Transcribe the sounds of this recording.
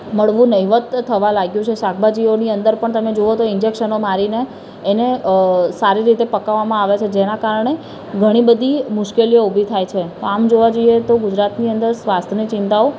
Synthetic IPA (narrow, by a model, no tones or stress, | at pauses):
məɭʋũnəiʋət̪ʰːəʋãlaɡjũt͡ʃʰeʃak̚ʰbʱad͡ʒioniənd̪əɾpəɳt̪əmed͡ʒoot̪oɪnd͡ʒekʃənomaɾineː | nesaɾiɾit̪epəkaʋamãaʋet͡ʃʰed͡ʒenakaɾəɳ̃e | ɡʱəɽ̃ibəd̪ʱimʊʃkelijoubʱit̪ʰajt͡ʃʰet̪oamd͡ʒoʋad͡ʒoijet̪oɡʊd͡ʒɾat̪niənd̪əɾsʋast̪ʰənit͡ʃɪ̃nt̪ao